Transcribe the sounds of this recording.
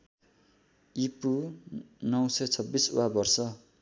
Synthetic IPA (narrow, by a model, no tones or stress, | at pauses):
ipu | nʌwsʌjt͡sʰʌbːisṵabʌrsʌ